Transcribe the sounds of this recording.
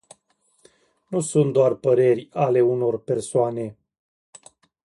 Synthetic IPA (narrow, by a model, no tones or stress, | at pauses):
nusunt̪̚d̪oarpəɾe̞rʲale̞uno̞rpersoane̞